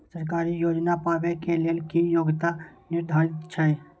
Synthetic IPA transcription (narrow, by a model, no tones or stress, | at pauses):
səɾk̬aːɾijoːd͡ʒnapaːʋekeleːlkijoːɡt̪anɪɾd̪ʱaːɾɪt̪t͡ʃʰɛ